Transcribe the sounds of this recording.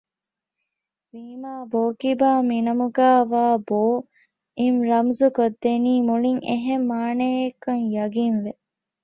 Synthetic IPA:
ʋiːmaːboːkibaːminɐmuɡaːʋaːboː | imɾɐmzukod̪ːeniːmuɭiŋḛɦemːaːneːekɐŋjɐɡinʋe

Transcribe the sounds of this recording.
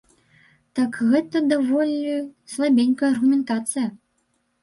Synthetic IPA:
t̪akɣɛt̪ɐd̪avɔlʲislˠabʲenʲkɐjɐɐrɣumʲɛnt̪at̪sɨjɐ

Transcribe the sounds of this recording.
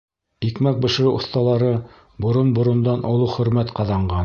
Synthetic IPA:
ikmæk̚bɤ̆ʃ̆ɾɘʔŏθt̪ɑlˠɑɾɤ | bŏɾonbŏɾŏnd̪ɑnʔŏlˠɤχɵ̆ɾmæt̪qɑðɑɴɢɑn

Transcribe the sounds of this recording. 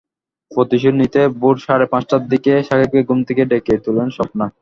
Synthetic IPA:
pot̪iʃ̬unːit̪ebuɾʃaɾepãt͡ɕʈad̪ikeʃakʰip̚keɡumt̪ʰekeɖeket̪ʰulenʃɔpna

